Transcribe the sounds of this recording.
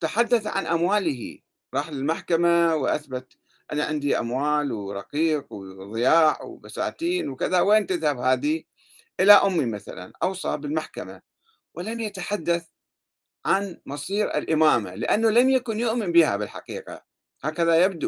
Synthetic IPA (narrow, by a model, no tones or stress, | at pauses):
t̪aħad̪ːaθʕa̰nʔamwaːlɪhḭ | ɾˤɑːħlɪlmaħkamawʔa̰θbat̪ | ʔanaʕɪnd̪iʔa̰mwaːlwɪɾˤɑ̰qiːqwðˤɪjaːʕwbasa̰ːt̪iːnwkɪðaweːnt̪ɪðhabhaːd̪i | ʔɪlaʔʊmːimaθa̰la̰nʔɑwsˤɑbɪlmaħkama̰ | wɪlamjat̪aħad̪ːaθ | ʕanmɑsˤiːɾɪ̰lʔɪmaːma̰lɪʔanːalamjakʊnjʊʔmɪmbɪha̰bɪlħa̰qiːqa̰ | haːkaðajabd̪u